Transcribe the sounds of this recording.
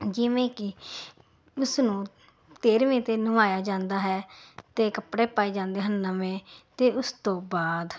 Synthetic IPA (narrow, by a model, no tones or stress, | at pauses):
d͡ʒɪʋẽːkɪ | ʊsnũː | t̪eːɾʋẽːt̪eːnəʋaːjaːd͡ʒãːnd̪aːɦɛːt̪eːkəpɽeːpaːiːd͡ʒãːnd̪eːɦənːəmẽːt̪eːʊst̪õːbaːd̪